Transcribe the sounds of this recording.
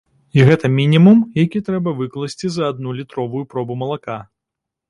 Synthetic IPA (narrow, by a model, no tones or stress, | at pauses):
iɣɛt̪ɐmʲinʲimumjakʲit̪ɾɛbɐvɨklˠɐsʲt͡sʲit͡sʲzɐːd̪̚nulʲit̪ɾɔvujupɾɔbumɐlˠaka